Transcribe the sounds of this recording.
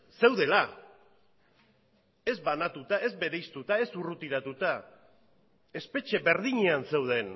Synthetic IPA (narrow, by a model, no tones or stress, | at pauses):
se̞wðe̞la | e̞zbanat̪ut̪aʔe̞zbe̞ɾe̞jst̪ut̪ae̞surut̪iɾat̪ut̪a | e̞spe̞t͡ʃe̞βe̞ɾðiɲe̞anse̞wð̞e̞n